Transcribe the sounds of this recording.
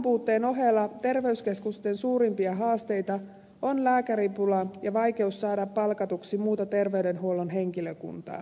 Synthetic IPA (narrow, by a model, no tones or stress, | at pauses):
mpuːt̪ːe̞ːno̞ɦelːɑt̪e̞rʋe̞yskeskust̪e̞nsuːɾimpiɑɦɑːst̪e̞jt̪ɑ | onlæːkæɾipulɑjɑʋɑjk̟e̞usːɑːdɑpːɑlkɑt̪uksimuːt̪ɑt̪e̞rʋe̞yde̞nɦuolonɦe̞ŋkiløkṵnt̪ɑ̰ː